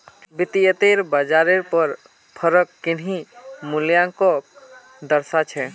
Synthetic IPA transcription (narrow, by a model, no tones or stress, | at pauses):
bit̪ijət̪eɾbəd͡ʒaɾeɾpəɾ | pʰəɾəkːinɦimuljãkɔ | d̪əɾsat͡ʃʰɛ